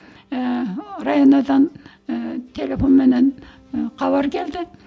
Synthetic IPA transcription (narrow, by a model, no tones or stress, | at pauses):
rɑjonɑd̪ɑn | t̪ʲʰelʲefonmɘ̆næn | qɑβɑɾkild̪ɪ